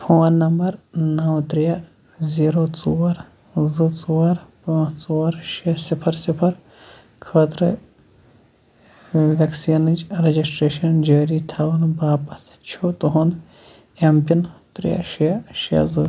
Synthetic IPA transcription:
t̪ʰoːnɐmbɐɾnɐwt̪ɾijɐ | ziːɾoːt͡suːɾ | zɨt͡soːɾpãːt͡st͡soːɾʃisipʰɐɾsipʰɐɾ | kʰəːt̪ɾɨ | ʋʲɐksiːnɨd͡ʒɾɐd͡ʒisʈɾeːʃɐnd͡ʒɐːɾiːt̪ʰɐɐnbaːpɐst͡ʃʰoːt̪uɦũnd̪ | empʲint̪ɾḭja̰ʃiʃḭzɨ

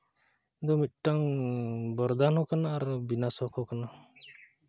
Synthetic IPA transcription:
d̪ɔmit̪̚ˀʈaŋbəɾd̪anɦɔkanaːɾbinasɔkʰɔkana

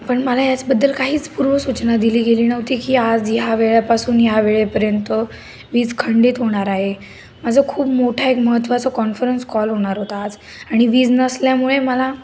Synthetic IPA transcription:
pəɳməlajat͡sbəd̪ʱːəlkaɦiːt͡spuɾʋəsut͡ɕnad̪iliːɡeliːnəʋt̪iːkiːad͡zjaʋeɭjapasuːnjaʋeɭepəɾjənt̪ə | ʋiːd͡zkʰəɳɖiːt̪ɦoɽ̃aɾaɦe | mad͡zʱəkʰuːbmoʈʰaekməɦət̪ʋat͡səkɔnfəɾənskɔlɦoɽ̃aɾɦot̪ad͡z | aɽ̃iʋiːd͡znəsljamuɭeməla

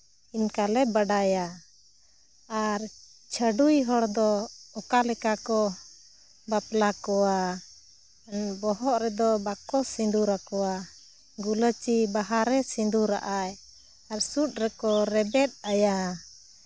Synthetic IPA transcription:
inkalɛbaɖaja | ɾ | t͡ʃʰəɖujɦɔɽd̪ɔɔkalɛkakɔ | baplakɔwa | nbɔɦɔʔɾɛd̪ɔbakɔsĩnd̪uɾakɔwa | ɡulət͡ʃibaɦaɾɛsĩnd̪uɾa̰ʔaj | aɾsut̪̚ɾɛkɔɾɛbɛt̪̚ˀaja

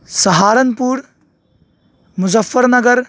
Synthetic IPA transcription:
sɐɦaːɾɐnpuːɾ | mʊzɐfːəɾnɐɡəɾ

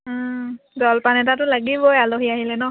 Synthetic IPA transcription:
dɔlpanɛtatʊlaɡibojaloɦiaɦilɛnɔ

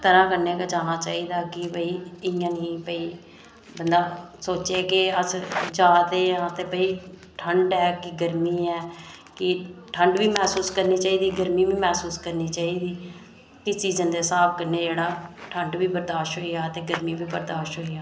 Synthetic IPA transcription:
t̪əɾãːkəɾneːkaːd͡ʒaːnaːt͡ʃaːiːd̪aːkɪbəiːɪjãːnĩːpəiː | bənd̪aːsoːt͡ʃeːkɪəsd͡ʒaːd̪eːãːt̪eːbəiː | ʈʰəɳɖɛːkɪɡəɾmiːɛː | kɪʈʰəɳɖʋiːmɛːsuːskəɾniːt͡ʃaːiːd̪iːɡəɾmiːʋiːmɛːsuːskəɾniːt͡ʃaːiːd̪iː | kɪt͡ʃiːzənd̪eːsaːp̚kəɾneːd͡ʒeːɽaːʈʰəɳɖʋiːbəɾd̪aːʃɦoːijãːt̪eːɡəɾmĩːbiːbəɾd̪aːʃɦoːijãː

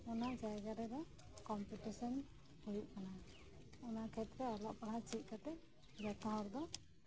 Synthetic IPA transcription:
unaʔd͡ʒajɡaɾɛd̪ɔ | kɔmpuʈisɔn | hujuʔkana | unaʔkʰɛt̪ɾɛalaʔpaɽhat͡ʃit̪̚ˀkat̪ɛ | d͡ʒat̪ʰaɔɾd̪ɔ

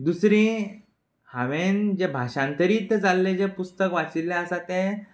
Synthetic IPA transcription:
d̪usɾĩ | haʋend͡ʑebʱaʂãnt̪əɾiːt̪ed͡zalːed͡ʑepust̪əkʋat͡silːaəsat̪ẽ

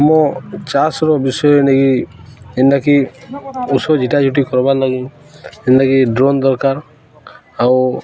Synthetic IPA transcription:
mɔt͡ʃasɾɔbisɔjɔeneki | enaki | usɔd͡ʒiʈad͡ʒʱuʈikɔɾɔbalaɡĩ | enːakiɖɾond̪ɔɾkaɾ | aw

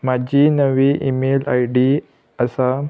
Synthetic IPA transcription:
mad͡ʑinəʋiʔḭmeːlajɖi | əsa

